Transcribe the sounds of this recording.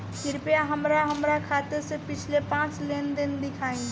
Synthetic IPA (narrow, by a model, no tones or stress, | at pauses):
kɪɾpjaɦəmɾaɦəmɾakʰaːt̪eɾsepɪt͡ʃʰlepãːt͡ʃlend̪ɪnd̪ɪkʰaːĩ